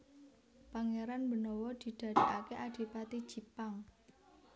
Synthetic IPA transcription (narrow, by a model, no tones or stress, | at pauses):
paŋeɾanbə̤nɔwɔd̪̥i̤d̪̥a̤di̤kakeʔad̪̥i̤pat̪i̥ʒ̥i̤paŋ